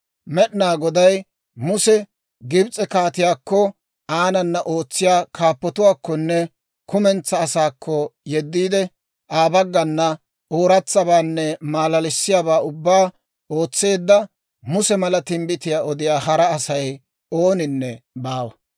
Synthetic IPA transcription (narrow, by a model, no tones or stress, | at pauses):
mɛɗɪnaːɡɔd̪ɐj | mʊsɛ | ɡɪbt͡sʼɛkaːt̪ɪjaːkːɔ | aːnɐnːɐʔo̞ːt͡sːɪjaːkʰaːpːɔt̪ʊwaːkːɔnːɛ | kʊmɛnt͡sːɐːsaːkʰːɔjɛd̪ːiːd̪ɛ | ʔaːbɐɡːɐnːɐ | oːɾɐt͡sːɐbaːnːɛmaːlɐlɪsːɪjaːβaːʊbːaː | oːt͡sːe̞ːd̪ːɐ | mʊsɛmɐlɐt̪ɪmbɪt̪ɪjaːɔd̪ɪjaːɦɐɾɐːsɐj | oːnɪnːɛbaːwɐ